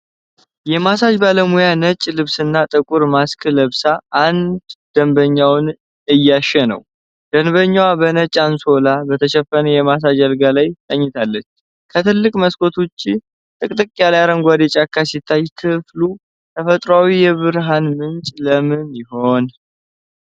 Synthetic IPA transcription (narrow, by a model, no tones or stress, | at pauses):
jɛmasad͡ʒbaləmujanət͡ʃʼːlɨβsɨnːat̪ʼɨkʼuɾmaskʰɨləβsaʔːnd̪d̪̥əmbəɲːawn | ɨjːaʃɛnə̰w | d̪̥ənbəɲːawabənət͡ʃʼanso̞labət̪ʰəʃɛfːənəjɛmas̬ad͡ʒalɡalajt̪ʼəɲːɪt̪ʰalːət͡ʃː | kʰət̪ʰɨlːɨkʼməskʰo̞t̪ʰot͡ʃːi | t̪ʼɨkʼt̪ʼɨkʼːjalajaɾəŋɡʷad̪et͡ʃʼakʰːasit̪ʰːajkʰɨflu | t̪ʰəfət̪ʼɾawijɛβɨɾɦanmɨnt͡ʃʼləmɨnjɪho̞n